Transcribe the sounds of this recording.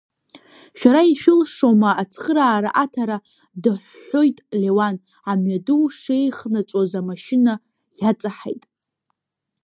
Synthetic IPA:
ʃᶣaɾaiʃᶣɪlʂo̞maːt͡sʰχəɾaːɾaʔatʰaɾa | dɨħʷːo̞jtʼle̞wan | amɥadɨwʂe̞jχnat͡ʃʷʼozamaʃɪna | jat͡sʼaħḛjtʼ

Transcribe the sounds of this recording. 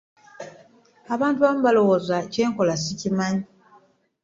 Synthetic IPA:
aβaːntuβamuβalo̞wo̞ːzace̞ːŋko̞lasicimaɲi

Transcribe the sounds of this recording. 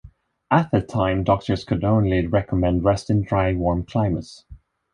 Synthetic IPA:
ət̪̚ðɨtʰãɪ̃mdɔk̚tʰə˞z̥kʰɨdⁿõʊ̃nliɹɛkʰəmɛ̃ndɹɛstɨ̃ndɹaɪwɔɹmkʰl̥ãɪ̃məts

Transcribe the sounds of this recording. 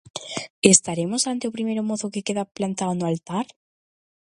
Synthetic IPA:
est̪aɾemʊsant̪eʊpɾimejɾʊmoθʊkekeðaplant̪awnʊalt̪aɾ

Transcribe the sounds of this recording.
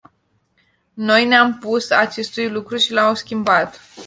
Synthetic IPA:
no̞jneampusat͡ʃe̞st̪ujlukɾuʃilamskʲimbat̪

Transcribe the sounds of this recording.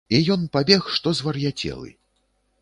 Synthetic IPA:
ijɔnpabʲɛxʂt̪ɔzvɐrjat͡sʲɛ̰lˠɨ̰

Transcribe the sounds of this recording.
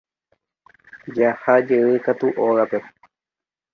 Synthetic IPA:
d͡ʒahad͡ʒeɨkat̪uʔoɣape̞

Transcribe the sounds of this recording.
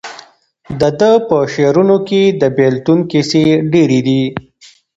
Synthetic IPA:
d̪əd̪əpəʃeɾunoked̪əbelt̪unkeseɖeɾid̪i

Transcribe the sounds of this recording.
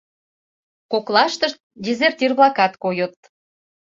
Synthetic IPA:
koklɑʃt̪əʃt̪̚dʲezertʲirβlɑkɑt̪kojət̪̚

